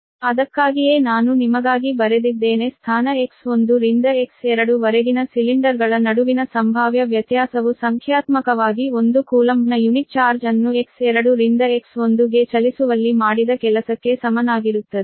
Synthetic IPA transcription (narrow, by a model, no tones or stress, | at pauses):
ɐd̪ɐkːaːɡije̞ːnaːnunimɐɡaːɡibɐɾed̪id̪ːe̞ːne̞st̪ʰaːnɐekso̞nd̪uɾind̪ɐeksɛɾɐɽuʋɐɾeɡinɐsiliɳɖɐɾɡɐɭɐnɐɽuʋinɐsɐmbʱaːʋjɐʋjɐt̪jaːsɐʋusɐŋkʰjaːt̪mɐkɐʋaːɡio̞nd̪ukuːlɐmbnɐjunit̚t͡ʃaːɾd͡ʒɐnːueksɛɾɐɽuɾind̪ɐekso̞nd̪uɡe̞t͡ʃɐlisuʋɐlːimaːɽid̪ɐkɛlɐsɐkːe̞sɐmɐnaːɡiɾut̪ːɐd̪e